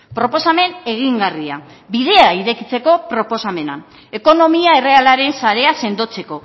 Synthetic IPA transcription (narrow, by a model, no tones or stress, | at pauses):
pɾo̞po̞same̞ne̞ɣ̞iŋɡaria̰ | bið̞e̞aiɾe̞kit͡se̞ko̞pɾo̞po̞same̞na̰ | e̞ko̞no̞miae̞re̞alaɾe̞nsaɾe̞ase̞nd̪o̞t͡se̞ko̞